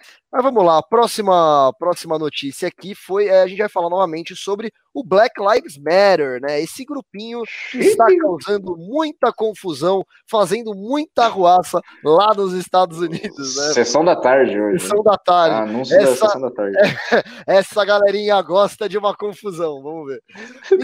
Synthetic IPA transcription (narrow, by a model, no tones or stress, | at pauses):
mɐzvɐ̃mʊlaɐpɾɔsimɐpɾɔsimɐnot͡ʃisiɐakifojɛɐʒẽt͡ʃɪvajfalaɾnɔvɐmẽnt͡ʃɪsobɾɪ | ʊblɛklajfzmɛɾeɾnɛesɪɡɾupĩɲʊkɪɪst̪akawzɐ̃nd̪ʊmũj̃t̪ɐkõfuzɐ̃w̃ | fazẽnd̪ʊmũj̃t̪ɐhuasɐ | lanʊzɪst̪ad̪ʊzunid̪ʊznɛsesɐ̃w̃d̪ɐt̪aɾd͡ʒɪoʒesɐ̃w̃d̪ɐt̪aɾd͡ʒɪnɐ̃w̃sɛsɐsɐ̃w̃d̪at̪a̰ɾd͡ʒɛɛsɐɡalɛɾĩɲɐɡɔst̪ɐd͡ʒɪũmɐkõfuzɐ̃w̃vɐ̃mʊveɾ